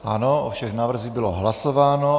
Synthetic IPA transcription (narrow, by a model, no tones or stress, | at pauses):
ʔa̰noʔofʃɛɣnaːvr̩ziɣbɪloɦlasovaːno